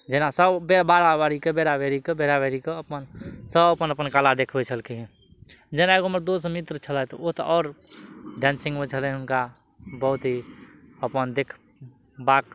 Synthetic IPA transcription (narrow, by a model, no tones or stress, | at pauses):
d͡ʒenasəbbebaːɾabaːɾikebeɾabeɾikebeɾabeɾikeəpənsəbəpənəpənkalad̪eːkʰbet͡ʃʰəlkiɦɛ̃ | d͡ʒɛnaeɡomɾd̪oːsmɪt̪ɾət͡ʃʰəlɛt̪oot̪əʔɔːɾɖɛ̃ːnsɪ̃ŋɡmət͡ʃʰəlɛ̃ɦʊnkabəɦʊt̪ɦiəpənd̪eːkʰ | baːk